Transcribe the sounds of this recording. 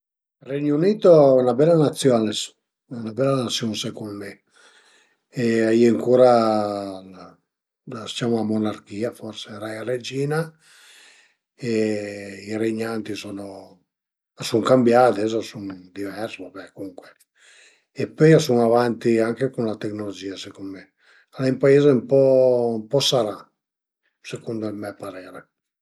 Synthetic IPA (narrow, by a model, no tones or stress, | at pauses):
rɛɲuniːt̪oɛnabɛlːanat̪sːjɔːnes | ɛunabɛlːanat̪sːjɔnsekulme | eaieŋkuːɾa | sit͡ʃamoamonaɾkiːafɔɾseɾajared͡ʒiːna | e | iɾeɲːant̪isono | asuŋkambjaːd̪ezasuŋd̪ivɛɾsoabɛkuŋkwe | epːɔjasuŋavant̪iaŋkekunlat̪eknolod͡ʒiːasekonme | alaimpaeːzempɔmpɔsaɾa | sekund̪olmɛpaɾɛːɾe